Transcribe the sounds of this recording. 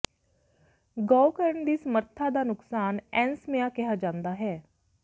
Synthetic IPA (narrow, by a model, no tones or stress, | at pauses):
ɡɔːkəɾəɳd̪iːsəməɾt̪ʰaːd̪aːnʊksaːnɛːnsmeãːkɪɦaːd͡ʒãːnd̪aːɦɛː